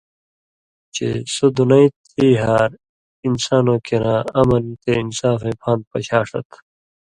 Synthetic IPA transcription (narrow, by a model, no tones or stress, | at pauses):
t͡ɕḛsod̪unɐit̪ʰiːɦaːɾ | insaːnõːkeɾãːɐmɐnt̪einsaːfẽːpʰãːnd̪̚pɐɕaːʂɐ̰t̪